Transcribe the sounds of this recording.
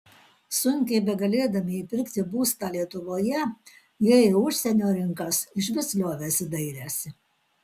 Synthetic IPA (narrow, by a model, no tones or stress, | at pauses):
sʊŋʲkʲɛɪbʲɛɡɐlʲeːd̪ɐmʲɪiːpʲɪɾʲkʲt̪ʲɪbuːst̪ɑːlʲiɛt̪ʊʋoːjɛ | jɛʊʃʲsʲɛnʲoːɾʲɪŋkɐsɪʃ̬ʋʲɛsʲlʲoːʋʲɛsʲɪd̪ɐɪɾʲæːsʲɪ